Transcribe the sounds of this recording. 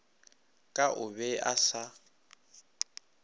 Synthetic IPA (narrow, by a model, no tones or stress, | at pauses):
kʼaʔʊβɛʔasa